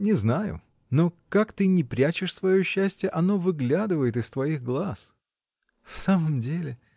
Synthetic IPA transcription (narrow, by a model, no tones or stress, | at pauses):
nʲɪznajʊ̰ | no̞kakt̪ɨnʲɪpɾʲæt͡ɕɪʂsvɐjoɕːæsʲtʲɪjəʔɐno̞vɨɡlʲad̪ɨvəjɪt̪ɨst̪vɐiɣɡlˠas | fsaməmdʲelʲɪ